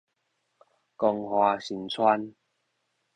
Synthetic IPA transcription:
kɔ˧˩ŋhwaː˨˧ɕi˨˩˦nt͡sʰwa˦n

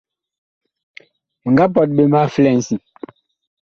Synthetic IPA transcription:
m˨ŋɡa˦p̬ɔ˨t̚ɓe˦ma˦flɛ˨n˨si˨

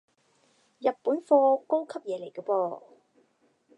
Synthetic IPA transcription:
jɐ˨t̚puː˨˥nfɔː˧ko˥wkʰɐ˥p̚jɛː˨˧le˨˩jkɔː˧pɔː˧

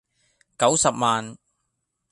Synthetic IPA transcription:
kɐ˨˥wsɐ˨p̚maː˨n

